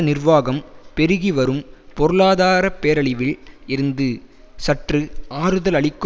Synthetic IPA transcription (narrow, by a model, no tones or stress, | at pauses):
nɪrʋaːɣɐmpɛɾɯɣiʋɐɾɯmpɔɾɯɭaːðaːɾɐpːeːɾɐɭɪʋɪlɪɾɯnd̪ɯ | sɐʈrɯaːɾɯðɐlɐɭɪkː